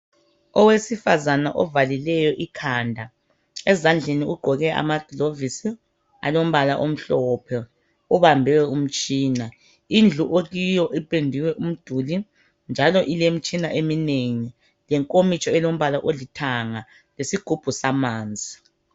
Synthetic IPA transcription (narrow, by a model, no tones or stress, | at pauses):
ɔwesifazanaʔɔvalilɛjɔʔikʰaːndʱa | ɛzand͡ɮʱeniuɡ͡ǃʱɔɣɛʔa̰mad̥ʱilovisi | a̰lom̩βalaʔom̩ɬɔːpʰɛ | uβambʱɛwɛum̩t͡ʃʼiːna | ind͡ɮʱuʔoɣijɔʔipʼendʱiwɛʔum̩d̥ʱuːli | nd͡ʒʱalɔʔilem̩t͡ʃʼinaʔemineŋi | lɛŋkʼomit͡ʃʼɔɛlom̩βalaʔolitʰaŋa | lesiɡ̥ʱub̥ʱusamaːnd͡zʱi